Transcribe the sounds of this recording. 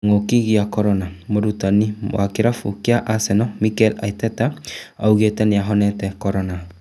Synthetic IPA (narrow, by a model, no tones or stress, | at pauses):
ŋokiɣiakɔɾɔnamoɾutaniwʔa̰kiɾafukiaʔasɛnɔmikɛla̰itɛtaauɣetɛniaɦɔnɛtɛkɔɾɔna